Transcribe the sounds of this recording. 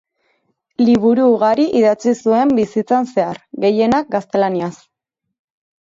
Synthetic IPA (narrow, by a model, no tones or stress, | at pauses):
liβ̞uɾuːɣaɾiʔiðat͡sisue̞mbisit͡sanse̞aɾɣe̞je̞nak̚ɡast̪e̞lanias